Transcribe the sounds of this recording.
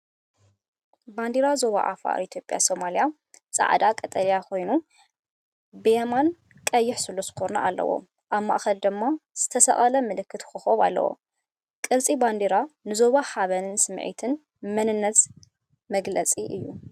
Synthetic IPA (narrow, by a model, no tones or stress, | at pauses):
band̪iɾazo̞βa̰ʔa̰fa̰ɾit̪ʰjo̞pʼja̰so̞malija | t͡sʼa̰ʕd̪akʼɐt̪ʼɐlijakʰo̞jnu | bɨjeman | kʼɐjːɪħsɨlːozɨ̥kʰona̰ʔalːɐ̰wo̰ | ʔaβma̰ʔxɐld̪ɨmːaz̥ɨt̪ʰɐsɐ̰ʔʼalɐmɨlɨkːɨt̪xɨxoβa̰lːɐ̰wo̰ | kʼɨɾt͡sʼiband̪iɾanɨzo̞βaħaβɐnɨnsɨmʕḭt̪ʰɨn | mɐnɨnːɐz | mɐɡlɐt͡sʼiʔɨjːṵ